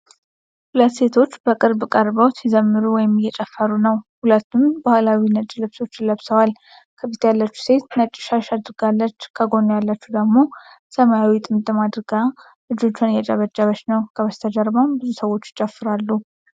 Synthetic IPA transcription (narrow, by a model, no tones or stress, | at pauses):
hulət̪se̞t̪ʰo̞t͡ʃːbəkʼɨɾbkʼəɾbəwt̪jɛzəmːɨɾuwɔjɪmjɛt͡ʃʼɛfːəɾunəwhulət̪ːumbahlawinət͡ʃʼilɨβso̞t͡ʃːɪləβsəwal | kʰəbit̪jalːət͡ʃːu̥se̞t̪nət͡ʃʼːɪ̥ʃaʃad̪ɾɡalːət͡ʃːkʰəɡo̞nojalːət͡ʃːud̪əɡmo̞ | səmajawit̪ʼɨmɨt̪ʼɨmad̪ɾɡa | lɨd͡ʒo̞t͡ʃːanjɛt͡ʃʼɛβəd͡ʒːaβət͡ʃnəwkʰəβəst̪ʰəd͡ʒəɾbambɨzusəwo̞t͡ʃːɪt͡ʃʼəfːɨɾalːu